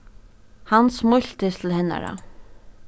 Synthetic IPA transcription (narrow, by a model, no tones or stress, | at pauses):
hansmʊl̥t̪ɪst̪ʰɪlhɛnːa̰ɾa̰